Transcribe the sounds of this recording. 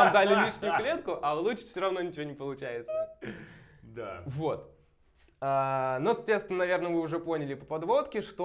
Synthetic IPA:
amd̪alʲɪlʲiʂnʲʊjʊklʲe̞t̪kʊʔɐlˠuɪ̥fsʲoɾɐvno̞nʲɪt͡ɕɪvʲonʲɪpəlˠʊt͡ɕæjɪt̪sə | d̪avo̞t̪ | anosɐt̪ʲest̪ʲɪnənɐvʲernəvɨʊʐɛpo̞nʲɪlʲɪpəpɐd̪vo̞t̪kʲɪʂt̪o

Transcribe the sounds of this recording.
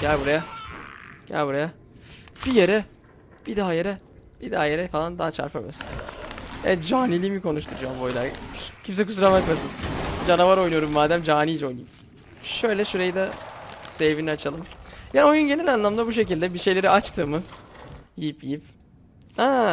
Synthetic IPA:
ɟ̥ælʲbuɾaja | ɟ̥æ̰lʲbuɾaja | b̥ijeɾɛ | b̥id̪aɦajeɾɛb̥id̪aɦaje̞ɾɛfalˠand̪aɦat͡ʃʰa̰ɾpʰamasɯ̥nɛ̰ɛt̪d͡ʒaːnilʲiːmikʰo̞nuʃt̪ʰuɾujambojlˠa̰ɾcʰims̬ɛkʰusuɾavaɾkmasɯnd͡ʒanavaɾo̞jnujo̞ɾumːaːd̪æmd͡ʒaːniːd͡ʒɛo̞jnujim | ʃø̞jlʲɛʃuɾejid̪ɛsevviniat͡ʃʰalˠɯmjaːnio̞junɟe̞nilʲanlˠamd̪abuʃ̬e̞cilʲd̪ɛbiʃe̞jlʲe̞ɾiat͡ʃt̪ʰɯːmɯz̥jijipjijip | ha

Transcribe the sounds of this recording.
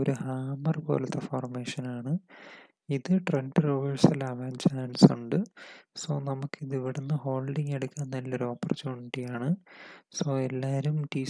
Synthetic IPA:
oɾuhaːmɐrpo̰ːlɐt̪ːɐfoːrme̞ːʂɐnaːɳɨ | iðɨʈrenɖɨruːʋɐɭsɐlɐʋaːnt͡ɕaːɐnsuɳɖɨsoːnɐmukːiðiʋiɽenːɨho̞ːlɖiŋeɽukʲːaːnːɐlːɐoɾoːpːɐrɐt͡ɕːoɳʈːijaːɳɨsoːelːaːɾumʈiː

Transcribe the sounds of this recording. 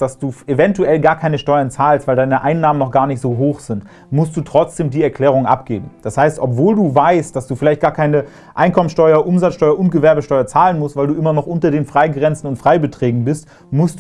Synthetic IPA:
d̥asd̥uːʔevɛntuɛlɡaːɐkʰaɪnəʃtɔʏɐnt͡saːlstv̥aɪldaɪnəʔaɪnːaːmənɔχɡ̥aːɐnɪçtz̥oːɦoːxz̥ɪnt | mʊst̚d̥uːtʁ̥ɔt͡sd̥eːmdiːɛɐkʰl̥ɛːʁ̞ʊŋʔa̰pɡ̥ḛːbm̩d̥ashaɪstʔɔpv̥oːlduːvaɪstd̥asd̥uːfɪlaɪçtɡ̥aːɐkʰaɪnə | ʔaɪnkʰɔmənsʃtɔʏɐʔʊmzat͡sʃtɔʏɐʔʊnt̚ɡ̥əvɛɐbəʃtɔʏɐt͡saːlənmʊstv̥aɪlduːʔɪmɐnɔχʔʊntɐdeːnfʁ̥aɪɡʁɛnt͡sn̩ʊntfʁ̥aɪbətʁ̥ɛːɡŋ̩bɪst | mʊst

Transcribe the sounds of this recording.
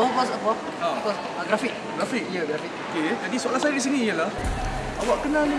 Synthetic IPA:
awapasapwa | aapas | aɡɾafik̚ɡɾafik̚jəɡɾafik̚oked͡ʒadisualahsajəɾiʔs̬iniijəlah | awaʔkənali

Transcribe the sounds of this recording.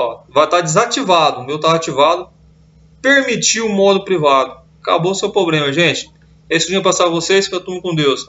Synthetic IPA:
ɔvajt̪ad͡ʒɪzat͡ʃivad̪ʊ̃mewt̪aat͡ʃivad̪ʊ | peɾmit͡ʃiʊmɔd̪ʊpɾivad̪ʊ | kaboʊsewpɾoblẽmɐʒẽt͡ʃɪ̥ | esʊvĩɐpasaɾvosejsfɐt̪ũmɐkõd̪ews

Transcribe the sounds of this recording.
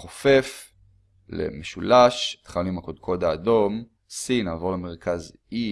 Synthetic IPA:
χofe̞f | lḛmeʃulaʃe̥t̪χalnuimakod̪̚kʰo̞d̪aːdo̞m | sinaːvo̞ʁlemeʁ̞kaz | i

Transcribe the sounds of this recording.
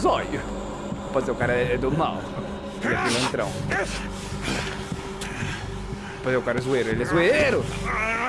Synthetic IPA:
zɔjʊ | pɔd̪seɾʊkaɾɐɛd̪ʊma̰w | ɛfilẽnt̪ɾɐ̰̃w̃ | pɔd̪seɾʊkaɾɐzueɾʊelɛzueɾʊ

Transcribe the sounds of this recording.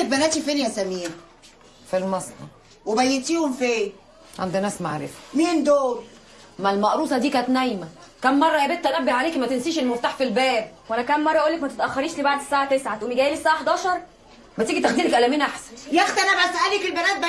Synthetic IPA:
et̪̚bænæːt̪ifenjæsæmiːn | filmɑsˤnɑ̰ | webæjːet̪iːhomfiː | ʕa̰nd̪inæːsma̰ʕɾḛfæ̥miːnd̪oːɾ | mælmɑʔɾˤuːsˤɑd̪iːkæːt̪næjmæ | kæmːɑrˤːɑjæbet̪̚t̪ːænæbːeʕaleːkmæt̪ensiːʃelmoft̪aħfilbæːbwʔænækæmːɑrˤːɑʔoːlːekmæt̪et̪ʔæxːɑɾiːʃliːbaʕd̪esːaːʕat̪esʕawemiɡæːjeːlesaːʕaħd̪ɑːʃɑɾˤ | bæt̪iːɡit̪æxd̪iːlekʔælæmiːnʔaħsænjæxt̪ælæbasʔælekelbænæːt̪̚b

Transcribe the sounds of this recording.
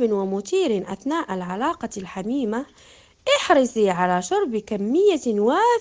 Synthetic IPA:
ɪnwamʊt̪iːɾɪnʔaθnaːʔalʕalaːqɑlħamiːma | ʔɪħɾɪsˤiʕalaʃɑɾˤbkamːɪjːawaː

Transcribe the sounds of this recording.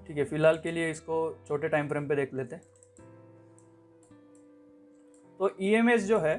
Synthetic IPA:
ʈʰiːkɦɛfɪlɦaːlkelieɪskot͡ʃʰoːʈeʈaːɪmpɾẽːmped̪eːkʰleːt̪eɦɛ̃ː | t̪oːʔiːeːmeːs̬d͡ʒoːɦɛː

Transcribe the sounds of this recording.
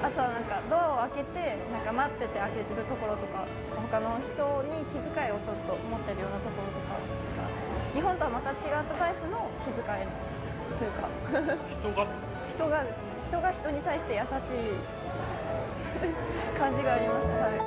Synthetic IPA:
at̪o̞βanãŋkad̪o̞ao̞ake̞t̪e̞nãŋkamat̪ːe̞t̪e̞ake̞t̪e̞ɾɯ̟t̪o̞ko̞ɾo̞t̪o̞ka | ho̞kano̞çi̥t̪o̞ɲ̟ikʲizɨkaio̞t͡ɕo̞t̪ːo̞mo̞t̪ːe̞ɾɯ̟jo̞ːnat̪o̞ko̞ɾo̞t̪o̞ka̰t̪ | ɯka̰ | ɲ̟iɦont̪o̞βamat̪at͡ɕiɡat̪ːat̪aiɸɯ̟no̞kʲizɨkaino | t̪ojɯ̟ka̰̥ | çi̥t̪o̞ɡad̪e̞sɨneçi̥t̪o̞ɡaçi̥t̪o̞ɲ̟it̪aiɕi̥t̪e̞jasaɕiː | kãɲ̟d͡ʑiɡaːɾʲimaɕi̥t̪ahai

